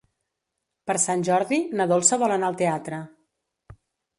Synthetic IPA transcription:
pəɾsanʲʒɔɾðinəðolˠsəβɔlənaəlˠt̪eat̪ɾə

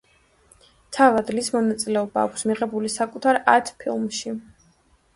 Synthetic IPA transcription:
t̪ʰavad̪lismɔnat̪sʼilɛɔbaːkʷʰsmiʁɛbulisakʼut̪ʰaɾat̪ʰpʰilˠmʃi

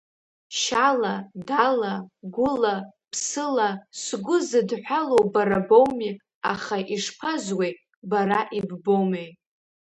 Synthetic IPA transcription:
ʃaladalaɡʷʊlapʰsɨlasɡʷʊzɨdħʷᶣalowbaɾabo̞wmi | aχaʔiʂpʰazwe | baɾaʔibbowme

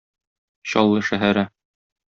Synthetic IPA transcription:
ɕɒ̰lˠːɤʃæɦæɾæ

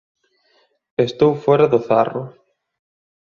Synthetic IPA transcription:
est̪owfɔɾɐðʊθarʊ

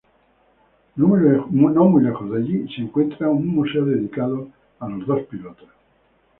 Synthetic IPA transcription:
nunɔmulakoðaʎisiiŋkwent̪ɾaunumːusɛod̪ed̪ikaːt̪o | alozd̪ɔspilɔːt̪a

